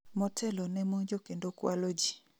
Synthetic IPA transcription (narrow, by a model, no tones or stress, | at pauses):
mɔtʰɛlɔnɛmod͡ʒokendokwalod͡ʒi